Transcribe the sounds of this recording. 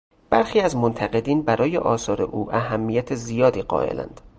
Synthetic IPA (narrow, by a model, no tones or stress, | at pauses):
b̥æɾxiːæzmont̪ʰæɣe̞d̪iːnbæɾɒːjḛʔɒːsɒːɾe̞̰ʔuːʔæɦæmːijæt̪ʰezijɒːd̪iːɢɒ̰ːʔḛlʔæ̰nd̪̥